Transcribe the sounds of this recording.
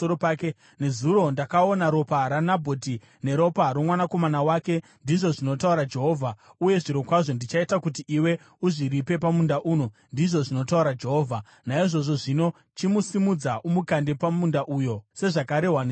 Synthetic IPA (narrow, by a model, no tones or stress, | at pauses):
oɾopaːke | ne̞zuɾo̞ndakao̞naɾo̞paɾanabʱo̞ti | ne̞ɾo̞paɾomwanako̞manawaːke̞ndiʐo̞ʐino̞tauɾad͡ʒe̞ɦo̞ːvʱauje̞ʐiɾo̞kwaʐo̞ndit͡ʃaitakut̬iʔiwe̞ | uʐiɾipe̞pamundaʔuːno̞ndiʐo̞ʐino̞tauɾad͡ʒe̞ɦo̞ːvʱa | naiʐo̞ʐo̞ʐino̞ | t͡ʃimusimud͡zaʔumukande̞pamundaʔujo̞se̞ʐakaɾe̞ɦwan